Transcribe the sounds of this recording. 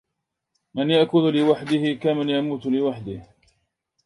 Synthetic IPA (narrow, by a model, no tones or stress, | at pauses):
manjaʔkʊllɪwaħd̪ɪhɪkamanjamuːt̪lɪwaħd̪ɪh